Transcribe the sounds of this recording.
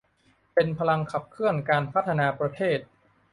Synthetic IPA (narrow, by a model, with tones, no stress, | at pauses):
pe˧npʰa˧la˧ŋkʰa˨˩p̚kʰɯ˥˩ənkaː˧npʰa˦˥˩t̪ʰːa˧naː˧pɾa˧t̪ʰeː˥˩t̪̚